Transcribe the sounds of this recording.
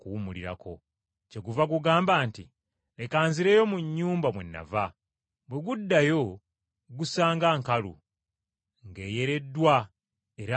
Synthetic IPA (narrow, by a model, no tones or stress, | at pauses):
kuːmuliɾa̰kʰo̞ | ce̞ɡuvaɡuɡaːmbaːnti | le̞kaːnziɾe̞jo̞muɲːuːmbamwenːa̰va | bwe̞ɡudːajo̞ | ɡusaːŋɡaːŋkalṵ | ŋɡe̞ːje̞ɾe̞dːwa | e̞ɾa